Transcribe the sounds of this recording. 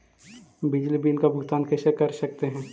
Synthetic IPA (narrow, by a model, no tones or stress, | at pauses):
bɪd͡ʒlibiːlkabʱʊɡt̪aːnkɐsekɐɾsɐk̚t̪eɦɛ̃ː